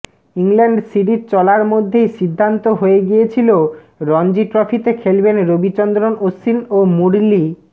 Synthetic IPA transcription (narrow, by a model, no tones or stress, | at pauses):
iŋlɛɳɖsiʈiʈ̚t͡ɕɔlaɾmod̪ʱːejʃid̪ʱːant̪oɦoeɡijet͡ɕʰilo | ɾɔnd͡ʑiʈɾɔfʰit̪ekʰelbenɾobit͡ɕɔnd̪ɾonosinomuɾli